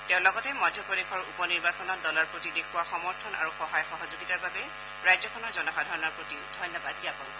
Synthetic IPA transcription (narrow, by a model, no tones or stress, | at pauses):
teʊ̃lɔɡɔtɛmɔjdʱjɔpɹɔdexʰɔɹupɔniɹbasɔnɔt̚dɔlaɹpɹotidekʰuwaxɔmɔɹtʰɔna̰ɹuxɔɦajxɔɦɔzuɡitaɹbabɛ | ɹajzɔkʰɔnɔɹzɔnɔxadʱɔɹɔnɔɹpɹotiʊdʱɔjnːɔbadiapɔn